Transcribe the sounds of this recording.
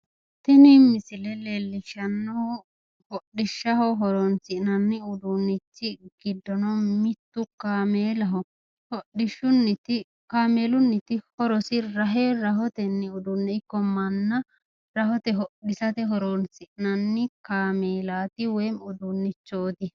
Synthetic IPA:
t̪ɛnimɪsɪlɛleːlːɪʃɐnːɔ | hɔɗːɪʃːɐhɔɦɔɾɔnsɪʔnɐnːɪʊd̪unːɪt͡ʃːɪɡ̥ɪd̪ːɔnɔmɪt̪ːʊkaːmeːlɐɦɔ | hɔɗɪʃːʊnːɪt̪ɪ | kaːmeːlʊnːɪt̪ɪhɔɾɔsɪɾɐɦeːɾɐhɔt̪ɛnːɪʊd̪ʊnːɛɪkːɔmɐnːɐ | ɾɐhɔt̪ɛɦɔɗɪsɐt̪ɛɦɔɾɔnsɪʔnɐnːɪkaːmeːlaːt̪ɪwɛjmʊd̪unːɪt͡ʃːoːt̪ɪ

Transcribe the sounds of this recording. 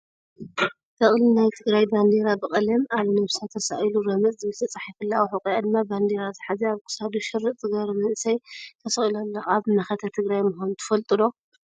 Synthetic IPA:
t̪ʰɐχʼlinajt̪ʰɨɡɾajband̪eɾabɨχʼɐlɐmaβnɐβsat̪ʰɐsa̰ʔiluɾɐmɨt͡sʼzɨmɨt̪ʰɐt͡sʼaħifɨlːawħɨkʼijad̪ɨmːaband̪eɾazɨħazeaβkʰɨ̥sad̪uʃɨrːɨʔzʼɨɡɐɾmɨnsɐjt̪ʰɐsɐχʼilalːaʔʼaβnaxɐt̪ʰɐt̪ʰɨɡɾajmʊhonut̪ʰɨ̥fɐlt̪ʼɨlo̞

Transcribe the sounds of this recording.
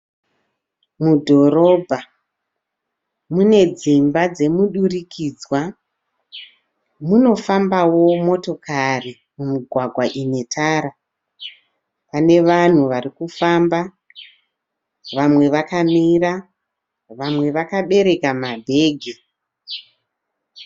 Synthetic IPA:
mudʱo̞ɾo̞bʱa | mune̞d͡zimbad͡ze̞muɗurikʰiːd͡zwa | muno̞fambawo̞mo̞to̞kari | mumiɡʱwaɡʱwaʔine̞tʰaːɾa | pane̞ʋan̤uʋarikufamba | ʋamwe̞ʋakamira | ʋamwe̞ʋakaɓe̞ɾe̞kamabʱe̞ːɡʱi

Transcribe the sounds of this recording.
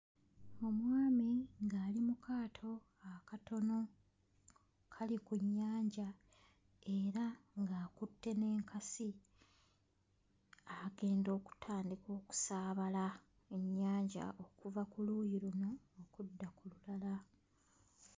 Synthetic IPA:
o̞mwaːmiŋɡaːlimukʰaːtʰo̞ | akato̞no̞ | kʰalikuɲːaːɲɟa | e̞ɾaŋɡaːkutːe̞ne̞ːŋkasi | aɡe̞ːndo̞ːku̥tʰaːndiko̞ːku̥saːβala | eɲːaːɲɟa̰ʔo̞kuvakuluːjiɾuno̞ːkudːakululala

